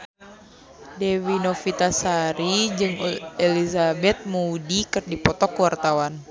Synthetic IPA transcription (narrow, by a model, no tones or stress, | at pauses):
dewinofit̪asaɾid͡ʒɨŋelizabɛt̪̚mudikɨrdipɔt̪ɔkəwart̪awan